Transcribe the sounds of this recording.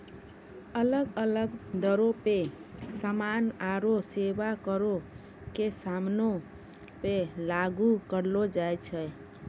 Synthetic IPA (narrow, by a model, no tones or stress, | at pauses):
ələɡələɡd̪əɾopesəmanaɾosebakəɾo | kesamno | pelaɡukəɾlod͡ʒajt͡ʃʰɛ